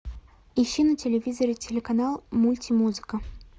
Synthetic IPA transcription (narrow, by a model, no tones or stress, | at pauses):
iɕːinɐtʲelʲevʲizɐɾʲɪtʲelʲɪkanalˠmulʲtʲimuzɨkə